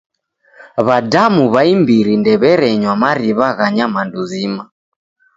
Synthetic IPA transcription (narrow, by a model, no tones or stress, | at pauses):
βadamuβaimbiɾindɛβɛɾɛɲwamaɾiβaɣaɲamanduzima